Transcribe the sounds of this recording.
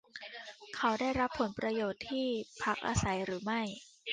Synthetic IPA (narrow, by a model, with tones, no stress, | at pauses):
kʰa˨˦˥wda˥˩jɾa˦˥pʰːo˩˦npɾa˧joː˨˩t̪ʰːiː˥˩pʰa˦˥k̚ʔa̰ː˧sa˩˦jɾɯː˩˦ma˥˩j